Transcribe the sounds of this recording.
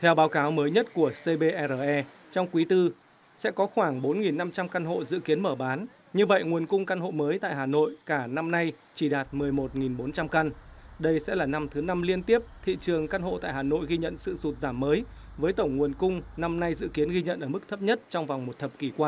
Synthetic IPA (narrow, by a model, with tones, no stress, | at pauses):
t̪ʰɛ˧wɓaː˨˦wkaː˨˦wməː˨˦jɲə˦˥t̚ku˧˩əse˧ɓe˧ʔɛ˧zəː˨˩ʔɛ˧ | t͡ɕɔ˧wŋ͡mkwi˨˦t̪ɨ˧ | sɛ̰˧˥kɔ˨˦xwaː˧˩ŋɓo˨˦nŋi˨˩nːa˧mt͡ɕa˧mka˧nɦo̰˧˨zɨ̰˧˨ki˨˦ənməː˧˩ɓaː˨˦n | ɲɨ˧və̰˧˨jŋu˨˩ənkʊ˧ŋ͡mka˧nho̰˧˨məː˨˦jt̪a̰ː˧˨jɦaː˨˩no̰˧˨jkaː˧˩na˧mna˧j | t͡ɕi˧˩ɗaː˨˩t̚mɨ˨˩əjmo˨˩t̚ŋi˨˩nɓo˨˦nt͡ɕa˧mka˧nɗə˧jsɛ̰˧˥laː˨˩na˧mt̪ʰɨ˨˦na˧mli˧ənt̪i˦˥əp̚t̪ʰḭ˧˨t͡ɕɨ˨˩əŋka˧nɦo̰˧˨t̪a̰ː˧˨jhaː˨˩no̰˧˨jɣi˧ɲə̰˧˨nsɨ̰˧˨su˨˩t̚zaː˧˩mːəː˨˦j | vəː˨˦jt̪ə˧˩wŋ͡mŋu˨˩ənkʊ˧ŋ͡mna˧mna˧jzɨ̰˧˨ki˨˦ənɣi˧ɲə̰˧˨nʔəː˧˩m˦˥k̚t̪ʰə˦˥p̚ɲə˦˥t̚t͡ɕɔ˧wŋ͡mvwŋ͡mmo˨˩t̚t̪ʰə˨˩p̚ki˧˩kwaː˧n